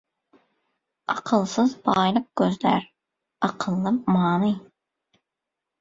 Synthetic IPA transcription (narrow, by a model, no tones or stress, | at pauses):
ɑqʰəlˠsɨzbɑːjlˠəq̚ɡʲøzlæ̰ɾ | ɑqʰəlˠːɨmɑːnɨ